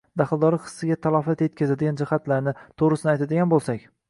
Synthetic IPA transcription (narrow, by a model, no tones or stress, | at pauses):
d̪aχɨlˠd̪ɒɾɪqʰɨ̥sːɪɡʲat̪ʰalˠɒfat̪jet̪kʲazad̪ɪɡʲand͡ʒɪhat̪laɾnɪt̪ʰoʁɾɪsɪnɪajt̪ʰad̪ɪɡʲanbolˠsakʲ